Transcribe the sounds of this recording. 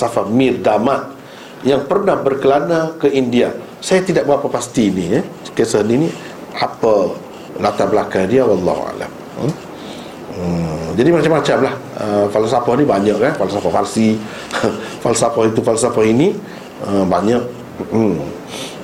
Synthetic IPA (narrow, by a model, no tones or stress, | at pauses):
safamĩrdamat̪̚ | jaŋpərnahbərkəlanakəʔindia | sajat̪idaʔ̚bapapast̪iːnikesəhnini | apə | lat̪abəlakadiawɑlːɑ̰hṵa̰la̰m | əd͡ʒadimat͡ʃamːat͡ʃamlahəfalsafɔhnibaɲəʔkanfalsafafarsi | falsafahit̪ufalsafahini | əbaɲək̩̚ː